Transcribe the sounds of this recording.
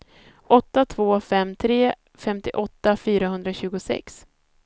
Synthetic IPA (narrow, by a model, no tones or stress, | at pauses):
ʔɔt̪ːat̪ʰvoːfɛmːt̪ʰɾeː | fɛmt̪ɪʔɔt̪ːafyːɾaɦɵnd̪ɾaɕʉ̟ːɡʊsɛ̰ks